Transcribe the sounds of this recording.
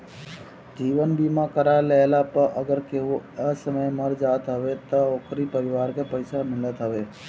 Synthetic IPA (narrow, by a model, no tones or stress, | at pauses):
d͡ʒiːʋənbimãkəɾaləlapəɾʔəɡəɾkeʋoəsəməjməɾd͡ʒaːt̪ɦəʋet̪ooːkɾipəɾɪʋaːɾkepəjsamɪlət̪ɦəʋe